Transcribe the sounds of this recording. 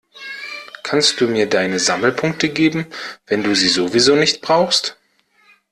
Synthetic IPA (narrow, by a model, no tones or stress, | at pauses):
kʰanstd̥uːmiːɐdaɪnəzaml̩pʰʊŋk̚təɡeːbm̩vɛnduːziːzovizoːnɪçt̚b̥ʁaʊxst